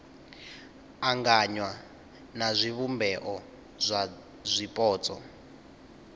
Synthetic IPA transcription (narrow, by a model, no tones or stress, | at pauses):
aŋɡaɲwa | nazʷiβumbɛʔɔ | zʷa | zʷipʼɔːt͡sʼɔ̰